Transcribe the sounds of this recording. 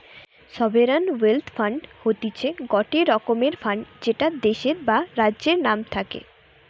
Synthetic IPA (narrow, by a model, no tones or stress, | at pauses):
ʃɔbeɾanwelt̪ʰfaɳɖhot̪it͡ɕʰeɡɔʈeɾɔkomeɾfaɳɖd͡ʑeʈad̪eʃeɾbaɾadːʑeɾnamt̪ʰakḛ